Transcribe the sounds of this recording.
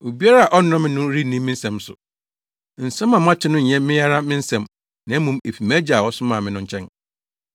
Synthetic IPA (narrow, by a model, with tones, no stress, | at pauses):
o˨bi˦a˦ɾa˦˨a˨ʔɔ˦n˦ɔ̃˦mɪ̃˦nʊ̃˦ɾi˦˨nĩ˦mːɪ̃˦n̩˦sɛ̃˨msʊ̰˨ | n̩˨saɛ̃˦mã˨mã˦t͡ɕʰɪ˦nʊ̃˦ɲ̩˨ɲɛ̃˦mɪ̃˦ja˦ɾa˦mɪ̃˦n̩˦sɛ̃˨m | nã˨˦mũ˨me˨fi˨mæ˦d͡ʑa˨wɔ˦sʊ˦mãː˨mɪ̃˦nʊ̃˦ɲ̩˦t͡ɕʰɛ̃˦n